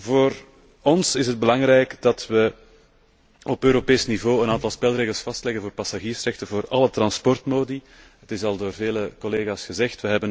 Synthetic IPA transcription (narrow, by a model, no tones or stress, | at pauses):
voːr | ɔnsɪsɦəd̚bəlɑŋɾɛjkdɑtʋə | ɔpøːɾopeːsnivoːənaːntɑlˠspɛlˠreːɣəlˠsfɑstlɛɣənvoːrpɑsaɣiːrsrɛxtəvoːrɑlətrɑnspɔrtmoːdi | ɦətɪsɑlˠdoːrveːləkɔleːɣaːsxəzɛxtʋəɦɛbən